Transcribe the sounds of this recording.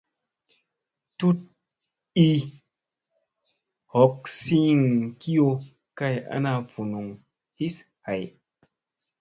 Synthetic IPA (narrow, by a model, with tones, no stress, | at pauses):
tu˦t̚ | i˦ | hɔ˨˦k̚si˦ŋki˦jo˧ | ka˦ja̰˦na˧˨fu˨nu˨ŋ | hi˦s | ha˨j